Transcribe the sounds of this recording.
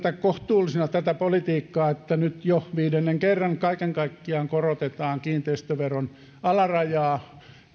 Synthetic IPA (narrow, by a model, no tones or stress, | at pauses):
t̪ækkoht̪uːlːisinɑt̪æt̪æpolit̪iːkːɑːet̪ːænyt̪joʋiːdenːeŋkerːɑŋkɑikeŋkɑikːiɑːŋkorot̪et̪ɑːŋkiːnt̪eist̪øʋeron | ɑlɑrɑjɑː